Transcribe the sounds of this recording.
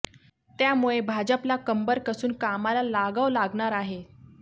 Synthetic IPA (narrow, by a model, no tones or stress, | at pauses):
t̪jamuɭebʱad͡ʑəplakəmbəɾkəsuːnkamalalaɡəʋlaɡɳ̃aɾaɦe